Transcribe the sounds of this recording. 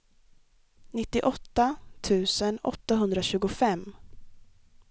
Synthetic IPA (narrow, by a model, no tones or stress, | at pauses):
nɪt̪ːɪʔɔt̪ːat̪ʰʉ̟ːsənɔ̰t̪ːaɦɵnd̪ɾaɕʉ̟ːɡʊfɛm